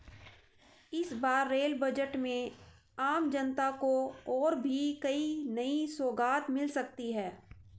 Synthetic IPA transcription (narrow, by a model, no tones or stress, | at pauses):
ɪsbaːɾːeːlbɐd͡ʒəʈmẽ | aːmd͡ʒɐnt̪akoɔːɾbʱikɐinɐisoːɡaːt̪mɪlsɐk̚t̪iɦɛː